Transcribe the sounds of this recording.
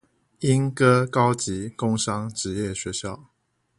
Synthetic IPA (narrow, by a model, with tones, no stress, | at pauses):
i˦nkɤ˦kɑ˥˦ʊt͡ɕi˨˦kʊ˥˦ŋʂɑ˦ŋʈ͡ʂɻ̩˧˦jɛ˥˨ɕɥɛ˨˧˦ɕjɑ˥˨ʊ